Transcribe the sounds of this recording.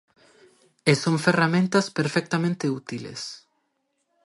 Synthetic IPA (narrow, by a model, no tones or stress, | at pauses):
esoɱferamẽnt̪aspeɾfɛk̚t̪amẽnt̪eut̪ilḛs